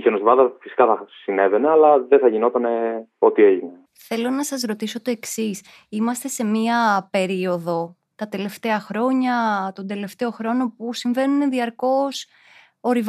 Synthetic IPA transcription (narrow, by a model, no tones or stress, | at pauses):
içenost̪vɐðɐfisi̥kɐθɐsine̞vene̞ɐlɐðeθɐʝino̞t̪ɐne̞o̞t̪ieʝine | θe̞lonɐsɐzɾo̞t̪iso̞t̪o̞e̞ksis | imɐst̪e̞se̞miɐpe̞ɾio̞ðo̞ | t̪ɐt̪e̞le̞ft̪e̞ɐxɾo̞ɲɐt̪o̞nd̪e̞le̞ft̪e̞o̞xɾo̞no̞pusiɱve̞nuneðiɐɾko̞s | o̞ɾiv